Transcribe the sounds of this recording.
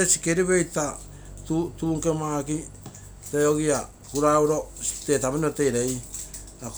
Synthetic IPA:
esi̥keɾiβe̞jta | tutuːŋke̞maːki | teoɡia | kuɾauɾo̞stetamaniote̞jɾej | ak

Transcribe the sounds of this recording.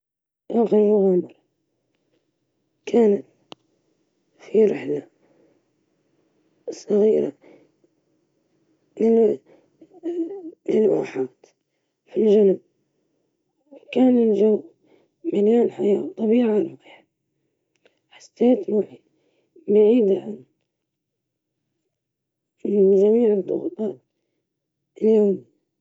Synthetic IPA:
ʔaxaʊɣamɑɾˤ | kʰaːnat̪ | fiɾɪħla | sˤɑɣiːɾa̰ | nɪ | lɪlʔa̰ːħaːt̪ | filʒanʊb | wkaːnɪnʒaw | maljaːnħajaːt̪ˤːɑbiːʕanwaħ | ħḁsːeːt̪maʕi | baʕiːd̪aʕan | ʒamiːʕɨd̪ˤːʊɣut̪ˤɑːt̪̚ | ljoːmi

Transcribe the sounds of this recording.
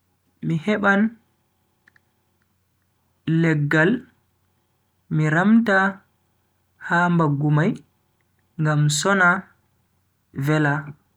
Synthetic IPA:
mihɛɓan | ɛɡːal | miɾamta | hambaɡːumaj | ŋɡamsɔna | vɛla

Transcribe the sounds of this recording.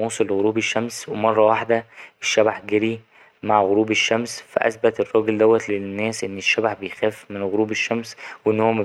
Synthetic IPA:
uːsˤelːɣoɾuːbeʃːæmswemɑrˤːɑwaħd̪æʔeʃːæbaħɡæɾi | maʕɣoɾuːbeʃːæmsfæ̰ʔæ̰sbæt̪erˤːɑːɡeld̪æwːæt̪lenːæːsʔenːeʃːæbaħbejxæːfmenɣoɾuːbeʃːæmsweʔenːhowːæmæ

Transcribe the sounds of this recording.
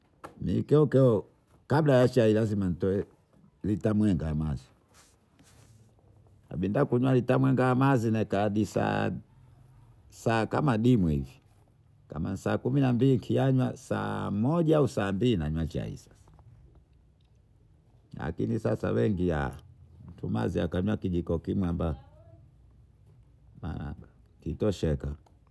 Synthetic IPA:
mḭkɛɔkɛɔ | kablajat͡ʃailaziman̩tɔɛ | litamwɛŋɡaamazi | a̰ɓindakuɲwalitamwɛŋɡaamazinɛkaɗisa̰ | saːka̰maɗimwuhḭvi | ka̰mansaːkuminambiliŋkʰiaɲwasa̰mɔʄaausaːmbilinaɲwat͡ʃa̰ḭsḁ | la̰kḭnisasa̰wɛŋɡia̰m̩tʰuma̰ziakaɲwakid͡ʒikɔkimwamba | ma̰a̰ba | kitɔʃɛka

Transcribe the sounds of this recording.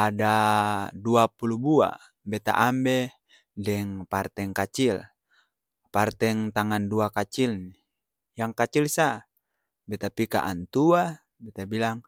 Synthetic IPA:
adaduapulubua̰ | bɛt̪a̰ʔambɛ | dɛŋpart̪ɛŋkat͡ʃil | part̪ɛŋt̪aŋanduakat͡ʃilni | jaŋkat͡ʃilsa | bɛt̪apika̰ʔa̰nt̪ua | bɛt̪abilaŋ

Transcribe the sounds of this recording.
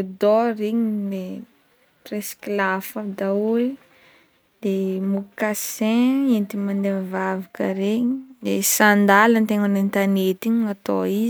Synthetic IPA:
d̪ɔɾiɲile | presklafad̪aue | d̪emukasɛ̃ent̪imand̪emvavakə̰ɾeɲid̪esand̪alənt̪eŋanent̪anet̪iɲat̪oiz

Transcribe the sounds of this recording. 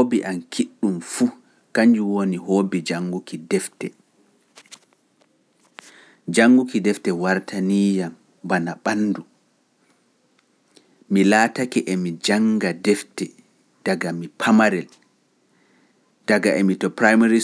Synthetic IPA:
obiʔankʰiɗːumfu | kaɲd͡ʒuwoniɦoːbid͡ʒaŋːɡukidɛftɛ | d͡ʒaŋɡukidɛftɛwaɾtʰaniːjam | banaɓanːdu | milaːtakɛʔɛmid͡ʒaŋɡadɛftɛ | d̥aɡamipʰamaɾɛl | d̥aɡaʔɛmitɔpɾajmaɾi

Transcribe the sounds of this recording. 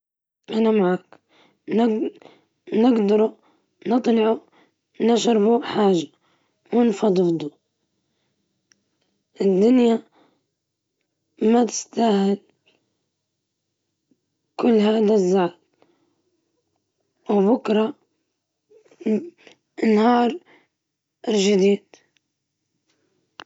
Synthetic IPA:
ʔanamaʕaːk | nɪ | nɪɡd̪ɑɾˤu | nɨt̪ˤlɑʕu | nɪʃɾbuħaːʒḁ | wɪnfɑd̪ˤɨfd̪ˤu | ʔɪd̪ːʊnja | mat̪ɪ̥st̪aːhɪl | kʊlːhaːd̪azːal | wbʊkɾˤɑ | ʔɪnhɑːɾˤ | ɪlʒɪd̪iːd̪̥

